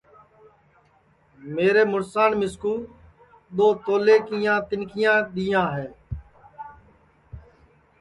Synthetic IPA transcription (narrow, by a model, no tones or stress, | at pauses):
meːɾeːmʊɾsaːnmɪskuː | ɗ̪oːt̪oːleːkijãːt̪ɪnkɪjãːɗ̪iːjãːɦɛː